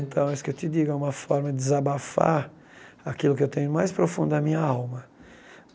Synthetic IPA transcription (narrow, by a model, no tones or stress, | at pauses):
nt̪ɐ̃w̃ɛisʊ̥kewt̪ɪd̪iɡʊɛũmɐfɔɾmɐd̪ɪd̪ɪzabafa̰ | akilʊkɪewt̪ẽɲʊmajspɾofũnd̪ʊd̪ɐmĩɲɐawmɐ